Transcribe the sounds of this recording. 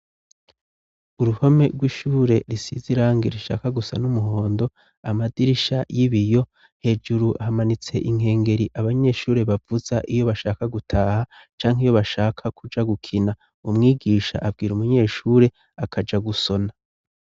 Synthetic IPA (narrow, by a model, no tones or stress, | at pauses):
uɾuho̞me̞ɾɡwiːʃuːɾe̞ɾisḭziɾaːŋɡeɾiʃa̰ːkaɡusa̰numuɦo̞ːndo̞ | amadiɾiʃajiβijo̞ | he̞d͡ʒuɾuʔahamanit͡se̞ʔiŋ̥e̞ːŋɡe̞ɾiʔaβaɲe̞ʃuːɾe̞βavuzaʔijo̞βaʃaːkaɡutʰaːhat͡ʃaːŋɦijo̞βaʃaːkʰakʰud͡ʒaɡukʰina | umŋiːɡiːʃa̰ʔabɡiːɾumuɲe̞ːʃuːɾe̞ | akʰad͡ʒaɡuso̞na